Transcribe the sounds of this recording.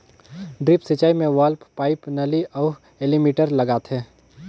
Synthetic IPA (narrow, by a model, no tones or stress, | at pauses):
ɖɾipsɐt͡ʃaːimẽʋaːlppaːɪpnɐliʔɔː | elimiːʈəɾlɐɡaːt̪ʰɦɛː